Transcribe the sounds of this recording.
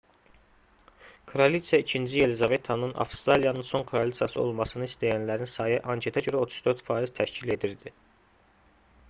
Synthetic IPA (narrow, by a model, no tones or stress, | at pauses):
kʰoɾolit̪sijɑicʰind͡ʒije̞lizɑve̞t̪ʰːɑnɯnʔɑ̰fst̪ɾɑlijɑnɯnso̞ŋkʰɾolit̪sijɑsɯo̞̰lˠmɑsɯnɯist̪ʰæjænlæɾinsɑːjɯʔɑŋcʰe̞t̪ʰɑɟø̞ɾæo̞t̪ʰu̥zd̪øɾt̪fɑːiz̥t̪ʰæʃcʰile̞d̪iɾd̪i